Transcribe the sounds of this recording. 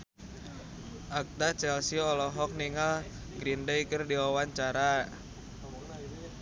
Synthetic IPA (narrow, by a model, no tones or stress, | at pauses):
ʔak̚t̪at͡ʃɛlsiɔlɔɦɔk̚niŋal | ɡɾindejkərdiwawaɲt͡ʃaɾa